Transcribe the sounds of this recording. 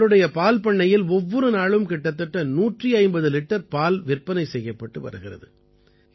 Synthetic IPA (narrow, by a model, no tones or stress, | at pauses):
ɾɯɽɐjɐpaːlpɐɳːɐjɪlɔʋːɔɾɯnaːɭɯmkɪʈːɐt̪̬ːɐʈːɐnuːʈriɐɪmbɐðɯlɪʈːɐɾpaːlʋɪrpɐnɐɪsɛjːɐpːɐʈːɯʋɐ̰ɾɯɣɪrɐ̰ðɯ